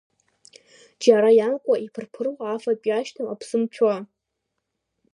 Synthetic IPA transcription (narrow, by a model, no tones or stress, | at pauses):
d͡ʒaɾajankʷʼaʔipʰɨrpʰɨrwaːfapʼjaʃtʰɨmapʰsɨmt͡ɕʷʰa